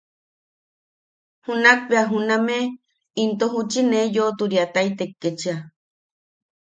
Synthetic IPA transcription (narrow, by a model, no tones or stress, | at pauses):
hunak̚peaɦuname | int̪oɦut͡ʃinejot̪uɾiat̪ajt̪ekːet͡ʃia